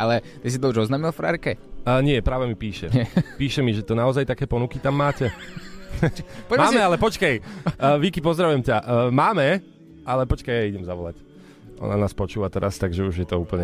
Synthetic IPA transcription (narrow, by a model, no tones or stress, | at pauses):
alɛt̪is̬it̪ɔuʒɔznaːmilˠfɾa̰ɾkɛɲɪɛpɾaːʋɛmipiːʃɛpiːʃɛmiʒɛt̪ɔnaɔzajt̪akɛːpɔnukit̪amːaːcɛ | ɔmːmmɛalɛpɔt͡ʃkajʋikipɔzd̪ɾaʋujɛmcaʔːmaːmɛ | alɛpɔt͡ʃkajaiɟɛmzaʋɔla̰c | ʔɔ̰nanaːspɔt͡ʃuːʋat̪ɛɾast̪aɡʒɛuʒjɛt̪ɔuːpl̩ɲɛ